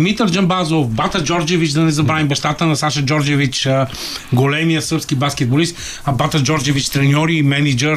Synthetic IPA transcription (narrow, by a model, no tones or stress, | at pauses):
mit̪əɾd͡ʒɐmbazofbat̪əd͡ʒɔɾd͡ʒɛvit͡ʃd̪ɐnɛzɐbɾavibɐʃt̪at̪ənɐsaʃəd͡ʒɔɾd͡ʒɛvit͡ʃə | ɡolɛmijəsɤɾpskibaskʲɛt̪̚bolis | ɐbat̪əd͡ʒɔɾd͡ʒɛvit͡ʃt̪ɾɛnʲɔɾimɛnid͡ʒɛɾ